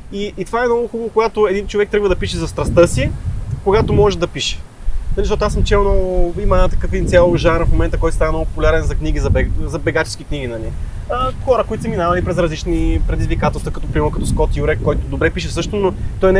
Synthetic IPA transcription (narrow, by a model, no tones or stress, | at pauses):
iʔːt̪ovaɛmnɔɡʊxubəvokoɡat̪oɛd̪int͡ʃovɛk̚t̪ɾəɡvəd̪ɐpiʃɛzɐst̪ɾɐst̪ɤsikoɡat̪omɔʒɛd̪ɐpiʃɛ̥ | zɐziəʃt̪ɔt̪oasəmt͡ʃɛʊnɔimət̪ɐkəfint̪sʲjalˠoʒaɾənfmomɛnt̪əkɔjt̪ost̪anɛnɔɡʊpopulʲaɾɛnzɐkniɡ̟izɐbɛzɐbɛɡat͡ʃɛ̥skʲikniɡʲinɐli | əxɔɾəkoit̪sɛminavɐlipɾɛzɾɐzlit͡ʃnipɾɛd̪izvikat̪ɛlˠst̪vəkɐt̪ɔpɾimɛɾnʊkɐt̪ɔskɔt̪juɾɛkːɔjt̪ʊd̪obɾɛpiʃɛsɤʃt̪onot̪ɔjn